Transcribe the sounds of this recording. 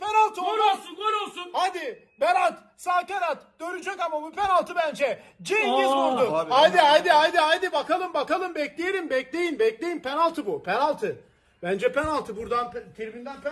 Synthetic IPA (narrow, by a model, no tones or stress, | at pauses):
pʰenalˠt̪ʰɯooɾˠsunoɾolˠsunhajd̪ɪ | bɛɾat̪ | saːkaɾat̪d̪̥øɾynd͡ʒʰɛkamabupɛnalˠt̪ʰɯbænd͡ʒɛd͡ʒeizbuɾd̪uajd̪iajd̪iajd̪iajd̪ibakalˠɯmbakalˠɯmbɛclʲejeɾimbɛclʲejimbɛclʲejimpʰɛnalˠt̪ʰɯbupʰɛnalˠt̪ʰɯ | b̥ænd͡ʒɛpɛnalˠt̪ʰɯbuɾd̪anpt̪ʰiɾmind̪ænpɛ